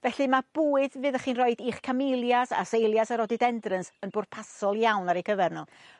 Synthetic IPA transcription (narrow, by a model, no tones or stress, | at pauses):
vɛɬɨmab̥uːɨðvɨːðəχiːnrɔɨdiːχkʰamejlˠjasa̰sejlˠjasaɾɔdɪdɛndrənsənbʊːrdpʰasɔlˠjawnaɾejkʰəvɛrnɔ